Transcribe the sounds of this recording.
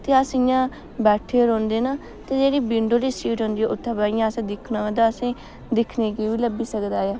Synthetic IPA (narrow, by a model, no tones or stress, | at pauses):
t̪eəsɪjãː | bɛːʈʰeːɾõːnd̪eːnaː | t̪ẽːd͡ʒeːɽiːbɪɳɖoːliːsiːɾɔ̃ːnd̪iːɛːʔʊt̪ʰːãːbaːjãːəsẽːd̪ɪkʰnãõd̪aəsẽː | d̪ɪkʰneːkeːʋiːləbiːsəkd̪aːjaː